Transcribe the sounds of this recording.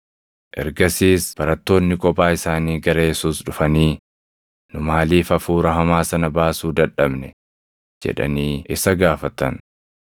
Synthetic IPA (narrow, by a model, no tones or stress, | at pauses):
ʔɛ̰ɾɡɐsiːsb̥ɐɾɐt̪ːo̞ːnːɪkʼɔpaːɪsaːniːɡɐɾɐjɛsuːsᶑʊfɐniː | nʊmaːliːfɐfuːɾɐɦɐmaːsɐnɐbaːsuːd̪ɐᶑɐbnɛ | d͡ʒɛ̰ᶑɐ̰niːʔɪsɐɡaːfɐt̪ɐn